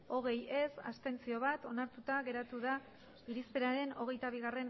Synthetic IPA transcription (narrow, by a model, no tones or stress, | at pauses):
o̞ɣ̞e̞je̞sa̰st̪e̞nt͡sio̞β̞at̪o̞naɾt̪ut̪aɣe̞ɾat̪uða | iɾispe̞ɾaɾe̞no̞ɣ̞e̞jt̪aβ̞iɣ̞are̞n